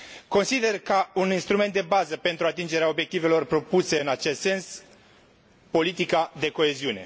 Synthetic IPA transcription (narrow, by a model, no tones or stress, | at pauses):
ko̞nsid̪e̞rkəuninst̪ɾume̞nt̪̚d̪ebazəpe̞nt̪ɾuat̪ind͡ʒe̞ɾeaobjekt̪ive̞lo̞rpɾo̞puse̞ɨnat͡ʃe̞st̪se̞ns | po̞lit̪ikad̪e̞ko̞e̞ziune̞̰